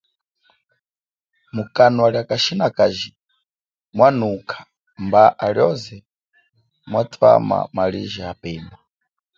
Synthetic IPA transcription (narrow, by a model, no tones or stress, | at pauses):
mukʼanwaɺiakʼaʃinakʼaʒi | mwanukʰḁ | mbaʔaɺjɔzɛ | mwatʰwa̰ma̰maɺiʒɛapɛːna